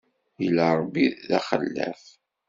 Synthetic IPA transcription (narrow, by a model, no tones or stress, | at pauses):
jəlːaɾˤəbːiðæχəlːæ̰f